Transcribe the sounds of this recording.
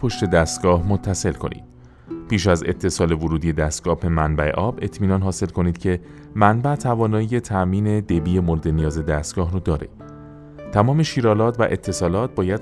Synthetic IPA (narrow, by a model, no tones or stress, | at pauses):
pʰo̞ʃt̪e̞d̪æːst̪ɡɒːhmot̪ʰːæse̞lkʰo̞̰nʔḭːd̪ | pʰiːʃæze̞̰t̪ʰːe̞sɒːle̞voɾuːd̪ije̞d̪æst̪̚ɡ̥ɒːbe̞mænbæe̞̰ʔɒːbe̞t̪ʰmiːnɒːnɦɒːse̞lkʰo̞niːd̪̥cʰe̞ | mænbæt̪ʰævɒːnɒːjije̞t̪ʰæʔmiːne̞d̪e̞biːje̞moɾd̪enijɒːze̞d̪æːst̪̚ɡ̥ɒːɦɾud̪ɒːɾe̞̰ | t̪ʰæmɒːme̞ʃiːɾɒːlɒːt̪ʰvæ̰ʔe̞t̪ʰːe̞sɒːlɒːt̪̚ʰbɒːjæd̪̥